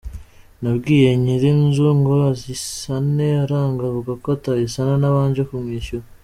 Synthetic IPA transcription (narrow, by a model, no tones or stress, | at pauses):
nabɡiːje̞ɲiɾinzuŋɡoɾazisaneaɾaːŋɡavuɡakoataβisananaβaːɲd͡ʒekumŋiʃuɾ